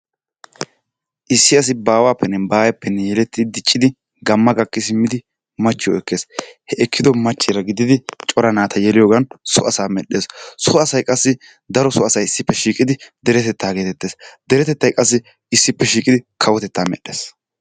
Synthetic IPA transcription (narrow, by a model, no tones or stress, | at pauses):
ʔɪsːɪɐs̬ɪbaːwaːpːɛnːɛbaːjɐpːɛnːɛjɛlɛt̪ːɪd̪ɪt͡ʃʼːɪd̪ɪ | ɡɐmːɐɡɐkːɪsɪmːɪd̪ɪ | mɐt͡ʃːɪjɔɛkːe̞ːshɛɛkːɪd̪ɔmɐt͡ʃːɪɾɐɡɪd̪ɪd̪ɪt͡ʃʼɔɾɐnaːt̪ʰɐjɛlɪjoːɡɐnsɔʔɐsaːmɛɗːe̞ːssɔɐsɐjkʼɐsːɪ | d̪ɐɾɔsɔɐsɐjɪsːɪpːɛʃiːkʼɪd̪ɪd̪ɛɾɛt̪ɛt̪ːaːɡeːt̪ɛt̪ːe̞ːsd̪ɛɾɛt̪ɛt̪ːɐjkʼɐs̬ːɪ | ɪsːɪpːɛʃiːkʼɪd̪ɪkʰɐwɔt̪ɛt̪ːaːmɛ̰ɗːe̞̰ːs